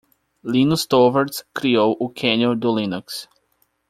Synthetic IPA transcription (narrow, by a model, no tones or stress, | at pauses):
lĩnust̪ovaɾskɾiowʔʊkʰẽniod̪ʊlĩnuks